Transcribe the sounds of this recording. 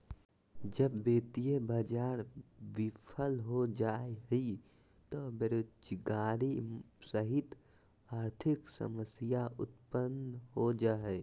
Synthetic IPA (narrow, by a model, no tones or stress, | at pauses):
d͡ʒəbːeːt̪ijebad͡ʒaːɾʋɪpʰəlɦod͡ʒaeɦi | t̪obeɾoːdd͡ʒɡaːɾisəɦɪt̪ | aːɾt̪ʰɪksə̰məsijaʔʊt̪̚pənɦod͡ʒaːɛ